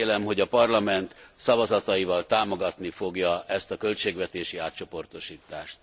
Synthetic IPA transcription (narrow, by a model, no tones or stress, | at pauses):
lɛmɦo̞ɟɒpɒrlɒmɛnt̪sɒvɒzɒt̪ɒivɒlt̪aːmo̞ɡɒt̪nifo̞ɡjɒɛst̪ɒkø̞lt͡ʃeːɡvɛt̪eːʃiaːt̪t͡ʃo̞po̞rt̪o̞ʃiːt̪ːaːʃt̪